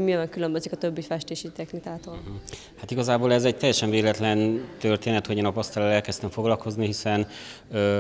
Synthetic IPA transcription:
miɛjɛkylømbøzikɒt̪øbːifɛʃt̪eːʃit̪ɛxnikaːt̪oːl | hat̪iɡɒzaːboːlɛzɛɟ̚t̪ɛjːɛʃɛɱveːlɛt̪lɛnt̪ørt̪eːnɛt̪ho̞ɟeːnɒpɒst̪alalɛlkɛst̪ɛɱfo̞ɡlɒlko̞zniɦisɛn | ø

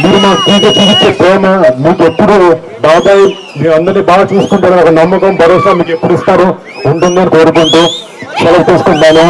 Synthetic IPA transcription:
miːɾumaːktiːkɐt͡ʃiʋit͡ʃːeːpɾɛːmɐmiːke̞pːuɽuː | baːd̪aːj | miːɾɐnd̪ɐɾniːbaːɡ̪ɐt͡ʃuːsu̥kuɳʈaːɾɐɔkɐnɐmːɐkɐmbʱɐɾɔːsaːmiːke̞pːuɽist̪aːɾu | uɳʈund̪eɐnikoːɾukont̪oː | ʃɛlɐpt̪iːsu̥koɳːaːlu

